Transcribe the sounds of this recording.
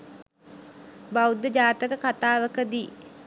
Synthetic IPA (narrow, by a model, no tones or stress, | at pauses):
bawud̪əd͡ʒaːt̪əkəkat̪aːʋəkəd̪iː